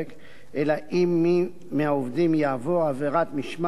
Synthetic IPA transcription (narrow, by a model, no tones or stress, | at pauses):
ek | ʔelaʔimi | meaovdimjaːvoaveʁat̪miʃm